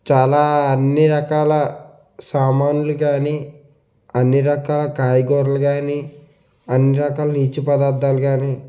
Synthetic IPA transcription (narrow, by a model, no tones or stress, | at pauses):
t͡ʃaːlaːɐnːiɾɐkaːlɐ | saːmaːnuluɡaːni | ɐnːiɾɐkaːlɐkaːjɡɔːɾɐlɐɡaːni | ɐnːiɾɐkaːlɐniːt͡ʃːupɐd̪aːɾd̪aːluɡaːni